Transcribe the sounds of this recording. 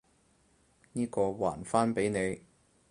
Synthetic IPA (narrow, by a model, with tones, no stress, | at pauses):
niː˥kɔː˧wa̰ː˨˩nfaː˥npe˨˥jne˨˧j